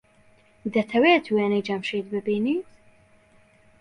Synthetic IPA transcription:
d̪ɐt̪ʰɐweːt̪ʰuweːnɛjd͡ʒɐmʃiːd̪bɨbiːniː

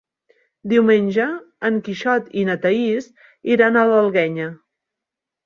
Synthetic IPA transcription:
d̪iwmenʲʒəː | ŋkiʃɔt̪inət̪əis | iɾanələlˠɣɛɲə

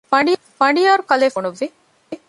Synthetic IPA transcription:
pɐɳɖij | pɐɳɖijaːɾukɐleːfoɳuʋːi

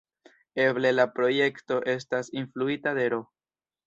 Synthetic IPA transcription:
e̞ble̞lapɾo̞je̞kto̞ʔe̞stasinfluitade̞ɾo̞

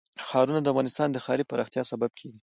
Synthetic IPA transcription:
xɑɾunad̪əafɣɑnɪst̪ɑnd̪əxɑɾipəɾɑxt̪jɑsabab̚kʰeɡi

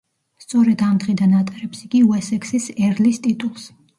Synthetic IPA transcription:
st̪sʼɔɾɛd̪amd̪ʁid̪anat̪sʼɛɾɛpsiɡʼiuɛsɛksisɛɾlist̪ʼit̪ʼulˠs

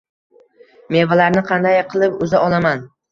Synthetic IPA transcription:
me̞valaɾnɪqʰɑnd̪ajqʰɨlˠɪpʊzaʔɒlˠaman

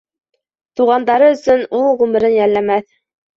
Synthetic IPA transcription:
t̪uʁɑnd̪ɑɾɤɵ̆sɵnulˠʁʉmɘ̆ɾɘnjælːæmæθ

